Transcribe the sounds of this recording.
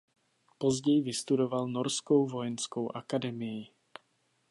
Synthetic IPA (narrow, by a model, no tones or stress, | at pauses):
pozɟɛjvɪst̪udovalnoɾskowvojɛnskowʔakadɛmɪjɪ